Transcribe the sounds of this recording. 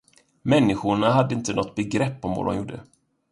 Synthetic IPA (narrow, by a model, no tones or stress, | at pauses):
mɛnːɪɧʊɳaɦad̪ːəɪnt̪ənɔt̪ːbɛɡɾɛpːɔmvo̰ːd̪ɔ̰mjuːɖːə̰